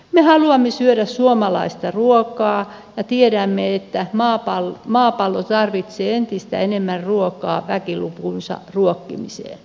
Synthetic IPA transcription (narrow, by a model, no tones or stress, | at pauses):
mehɑluɑmːesyøɾæssuomɑlɑ̰ist̪ɑruokˑɑː | jɑt̪ieɾæmːeet̪ːæmɑːpɑlmɑːpɑlːot̪ɑrʋit̪seːent̪ist̪æ̰enemːærruokˑɑ̰ːʋækilupunsɑ̰ruokːḭmisḛː